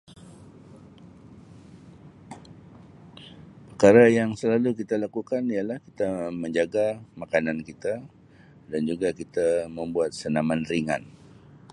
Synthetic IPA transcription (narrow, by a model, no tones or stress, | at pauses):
pərkaɾajaŋsəlalukit̪alakukanijalahkit̪aməɲd͡ʒaɡamakanankit̪a | dand͡ʒuɡakit̪aməmbuat̪̚sənamanriŋa̰n